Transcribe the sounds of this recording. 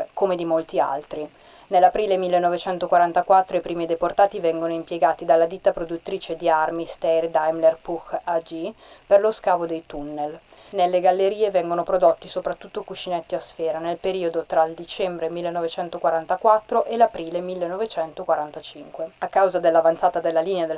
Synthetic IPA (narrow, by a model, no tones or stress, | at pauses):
komed̪imolt̪ia̰lt̪ɾi | nelːapɾiːlemilːenːɔvet͡ʃɛnt̪okwaɾant̪akwat̪ːɾoipɾiːmid̪eport̪aːt̪ivɛŋɡonoimpjeɡaːt̪id̪alːad̪it̪ːapɾod̪ut̪ːɾiːt͡ʃed̪iarmist̪ɛjrd̪ajmlerpukad͡ʒiperloskaːvod̪ejt̪unːel | nelːeɡalːeɾiːevɛŋɡonopɾod̪ot̪ːisopɾat̪ːut̪ːokut͡ʃːinɛt̪ːiasfeːɾanelpeɾiːod̪ot̪ɾaild̪it͡ʃɛmbɾemilːenːovet͡ʃɛnt̪okwaɾant̪akwat̪ːɾoʔelapɾiːlemilːenːɔvet͡ʃɛnt̪okwaɾant̪at͡ʃiŋkweakːawzad̪elːavant̪saːt̪ad̪elːaliːnead̪e